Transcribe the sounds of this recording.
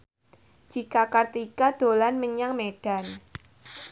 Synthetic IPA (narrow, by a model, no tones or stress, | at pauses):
d͡ʒ̥ikakart̪ikad̪̥o̤lanməɲaŋmeɖ̥a̤n